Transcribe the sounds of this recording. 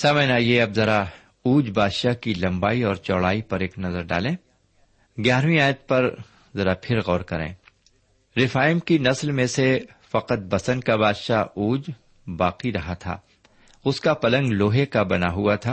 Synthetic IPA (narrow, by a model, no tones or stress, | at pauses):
saːməd͡ʒnaːjeɐbzɐɾa | uːd͡ʒbaːd̪ʃakilɐ̃mbaːiɔːɾt͡ʃɔːɽaːipɐɾeːknɐzəɾɖa̰ːlẽː | ɡjaːɾmĩaːjət̪̚pɐɾ | zɐɾapʰɪɾɣɔːɾkɐɾḛ̃ː | ɾɪfaːɪmkinɐslmẽsefɐqət̪̚bɐsə̃nkabaːd̪ʃauːd͡ʒ | baːqiɾɐɦat̪ʰa̰ː | ʊskapɐlə̃ŋɡloːɦekabɐnaɦuat̪ʰaː